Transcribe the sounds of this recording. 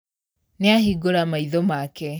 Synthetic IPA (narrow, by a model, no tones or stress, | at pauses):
neahiɡoɾamaiðɔmakɛ